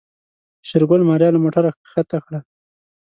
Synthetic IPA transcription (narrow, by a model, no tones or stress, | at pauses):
ʃɪɾɡʊlmɑɾjɑlamoʈaɾa | xat̪axɽa